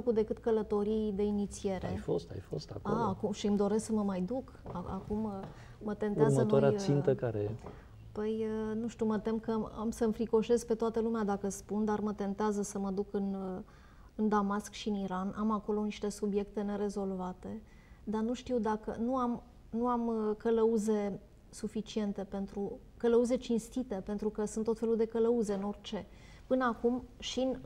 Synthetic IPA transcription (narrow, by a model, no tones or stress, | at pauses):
əkud̪e̞kɨt̪kələt̪o̞ɾijd̪e̞init̪sie̞ɾʔḛjfo̞̰st̪a̰jfo̞̰st̪a̰ko̰aːkumʃiɨmd̪o̞ɾe̞sksəməmajd̪uk | aa̰kumː | ət̪e̞nt̪euamzənoaɾeasint̪əkaɾe | pəjənuʃt̪uwmət̪e̞mkəamsəmfɾiko̞ʃe̞sk̚pe̞t̪oat̪əlumead̪akəspund̪armət̪e̞nt̪eazəsəməd̪ukɨn | ɨnd̪amaskʃiɨniɾanamako̞lo̞niʃt̪e̞subje̞kt̪e̞ne̞ɾe̞zo̞lvat̪e̞ | d̪anuʃt̪iwd̪akə̰nuam | nuamkələuze̞ | sufit͡ʃie̞nt̪e̞pe̞nt̪ɾu | kələuze̞t͡ʃinst̪it̪e̞pe̞nt̪ɾukəsunt̪ːofelud̪e̞kələuze̞ɨno̞rt͡ʃe̞ | pɨnəakumʃin